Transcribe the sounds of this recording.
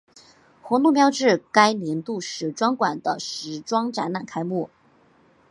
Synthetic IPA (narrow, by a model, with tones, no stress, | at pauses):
xɔ˧˥nu˥˧mjɑ˥ʊʈ͡ʂɻ̩˥˩ka˥ɪnjɛ˧˥nt̪u˥˧ʂɻ̩˧˥ʈ͡ʂwɑ˥ŋkwa˨˩nd̪ə̰˦ʂɻ̩˧˥ʈ͡ʂwɑ˥ŋʈ͡ʂa̰˧˥na˥˩nkʰa˥ɪmu˥˩